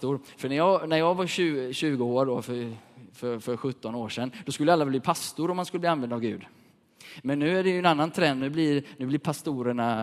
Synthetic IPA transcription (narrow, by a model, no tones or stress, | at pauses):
t̪ʊɾfœɳæɾjɑːɡnæɾjɑːɡvaɕʉːɕʉ̟ːɡəoːɖɔfœɾfœɾfœɾɧɵt̪ːɔnoːʂɛnːd̪̥ɔskɵlːəalːabliːpʰast̪ʊɾɔmːanskɵlːbliːanvɛnd̪avɡʉ̟̰ːd̪ | mɛnːʉ̟ːæɖɛjɵɛnanːant̪ʰɾɛnd̪nʉ̟ːblɪɾnʉ̟ːblɪɾpʰast̪uːɾəɳa